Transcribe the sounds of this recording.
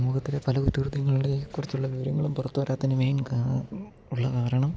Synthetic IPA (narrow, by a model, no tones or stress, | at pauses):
muːɣɐt̪ːile̞pɐlɐkut̪ːirud̪jɐŋːɐɭuɽekːurit͡ɕːuɭːɐʋiʋɐɾɐŋːɐɭumpurɐt̪ːuʋɐɾaːt̪ːɐinɨmejnkː | uɭːɐkaːɾɐɳɐm